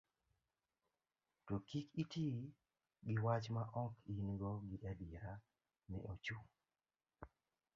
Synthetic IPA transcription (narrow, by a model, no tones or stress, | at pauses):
tokikitʰi | ɡɪwat͡ʃmaʔɔkʰinɡɔɡɪʔadja | nɛ̰ʔot͡ʃu